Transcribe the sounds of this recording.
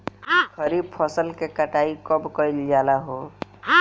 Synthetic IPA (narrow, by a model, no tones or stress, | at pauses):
kʰəɾib̚pʰɔsəlkekəʈaikɔbkəild͡ʒalaɦo